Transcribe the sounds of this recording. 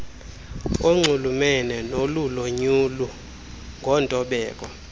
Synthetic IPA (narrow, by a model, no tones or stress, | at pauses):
oŋ͡ǀʱulumɛnɛnoluloɲulu | ŋɡʱɔntʼɔɓɛːk̬ʼɔ̰